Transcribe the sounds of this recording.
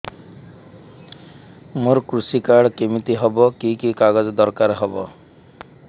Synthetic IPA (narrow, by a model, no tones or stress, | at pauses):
moɾkɾusikaɽɔkemit̪iɦɔbɔkikikaɡɔd͡ʒɔd̪ɔɾkaɾɦɔbɔ